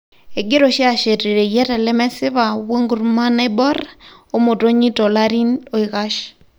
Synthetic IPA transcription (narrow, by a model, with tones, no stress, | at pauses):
e˨ɡɪ˦ɾo˨ʃi˦a˦˨ʃe˨ɾe˨ɾe˨jɛ˦ɾɛ˨lɛ˦mɛ˦sɪ˦βa˨we˦ŋɡu˨ɾma˦ne˦bɔ˦ro˦mo˨to˦ɲi˦to˨la˦ɾi˦no˨˦ɪ˨ɣa˦ʃ